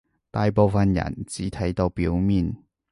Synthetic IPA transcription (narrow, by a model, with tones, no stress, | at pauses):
t̪aː˧jpo˧wfɐ˨˧njɐ̰˨˩nt͡siː˨˥t̪ʰɐ˨˥jt̪o˧wpi˨˥wmiː˨n